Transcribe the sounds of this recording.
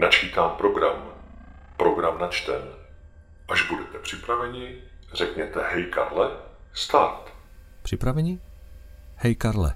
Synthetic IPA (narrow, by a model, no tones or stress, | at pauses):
nat͡ʃiːt̪aːmpɾo̞ɡɾam | pɾo̞ɡɾamnat͡ʃt̪ɛn | ʔaʒbudɛt̪ɛpr̝̥ɪpɾavɛɲɪr̝ɛkɲɛt̪ɛɦɛjka̰ɾlɛst̪aːt̪ | pr̝̥ɪpɾavɛɲɪ | hɛjkaɾlɛ̰